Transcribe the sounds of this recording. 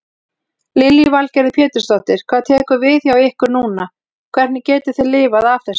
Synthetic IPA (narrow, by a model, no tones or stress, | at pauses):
lɪljɪvalcɛɾðɪpʰjɛːt̪ʏɾst̪ɔht̪ɪɾ̥kʰv̥aːðt̪ʰɛːhkʏvɪθjawɪhkʏɾnuːna | kʰvɛɾ̥t̪nɪcɛːt̪ɪ̥θɪlɪːvaðafθɛs